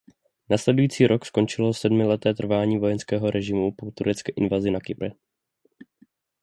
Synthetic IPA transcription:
naslɛdujiːt͡siːɾʔo̞ksko̞nt͡ʃɪlo̞sɛdmɪlɛt̪ɛːt̪r̩vaːɲiːvo̞jɛnskɛːɦo̞ɾɛʒɪmupot̪uɾɛt͡skɛːʔɪ̰nvazɪnakɪpɾɛ

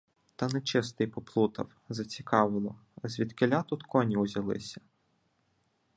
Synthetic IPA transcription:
t̪ɐnet͡ʃɪst̪ɪjpɔplˠut̪ɐ̰w | zɐt͡sʲikɑʋɪlˠɔzʲʋʲid̪kɪlʲat̪ut̪kʰɔnʲiʊzʲɐlˠɪ̰sʲɐ̥

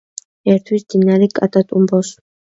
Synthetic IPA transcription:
ɛɾt̪ʰwisd̪inːaɾikʼat̪ʼat̪ʼumbɔs

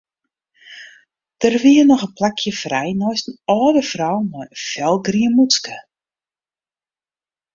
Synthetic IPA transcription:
d̥ərʋiənɔxənplakʰjəfrɛjnɔjstənɔːdəfrɔwmɔjəfɛlˠɡriənmutskə

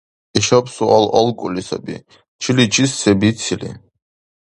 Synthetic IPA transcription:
iʃapʰsualɔlˠkʼulisa̰bḭ | t͡ʃʰilit͡ʃʰisːɛbit͡s̪ʰilḭ

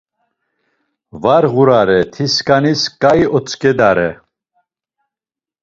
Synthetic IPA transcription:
vaɾʁuɾaɾɛt̪ʰiskʼaniskʼajɔt͡sʼkʼɛd̪aɾɛ

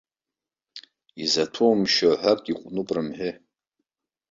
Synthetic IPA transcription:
izatʰomʃoħʷakʼiqʷʼnupʼrɨmħʏ

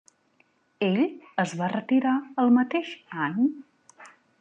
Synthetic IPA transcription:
eʎəzβarət̪iɾaəlˠmət̪eʃaɲ

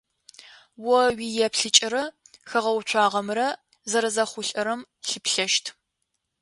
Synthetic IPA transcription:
wɔwiːjɛpɬɨt͡ʃʼɪɾɐxɐʁɐwt͡ʃʷʰɑːʁɐmrɐ | zɐɾɐzɐχʷʊɬʼɐɾɐm | ɬɨpɬɐʃtʰ

